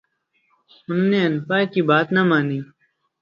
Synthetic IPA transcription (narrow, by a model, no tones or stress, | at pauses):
ʊnːeːənpaːkiːbaːt̪namaːniː